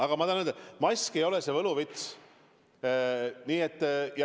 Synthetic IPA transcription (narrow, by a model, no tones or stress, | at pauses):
ɑɡ̥ɑmɑt̪ɑnend̪emɑjsʲke̞jo̞lese̞vɤluvit̪s | niːet̪ːjɑ